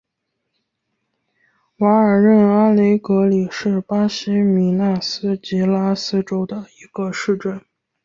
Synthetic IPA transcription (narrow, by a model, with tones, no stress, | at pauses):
wa˧˥ə˞˨˩ɻə˥˩na˥le˧˥ɪkɤ˧˥li˨˩ʂɻ̩˥˩pa˥ɕi˧˥mi˧˥na˥˩sɹ̩˥t͡ɕi˧˥la˥sɹ̩˥ʈ͡ʂo˥ʊd̪ə˨˩i˧˥ɡ̥ə˧ʂɻ̩˥˧ʈ͡ʂə˥˩n